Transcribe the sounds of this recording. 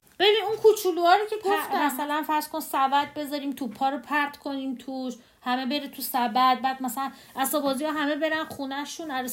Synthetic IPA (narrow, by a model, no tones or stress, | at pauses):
b̥e̞biːnunkʰut͡ʃʰuluɒːɾicʰepʰmæsælænfæɾz̥kʰo̞nsæbæd̪̚be̞zɒːɾiːmt̪ʰupʰːɒːɾopʰæɾt̪kʰo̞niːmt̪ʰuʃ | hæme̞be̞ɾet̪ʰusæbæd̪̚bæːd̪̚mæsælæn | ʔæsɒːbɒːziɒːɦæmebe̞ɾænχunæʃunæɾ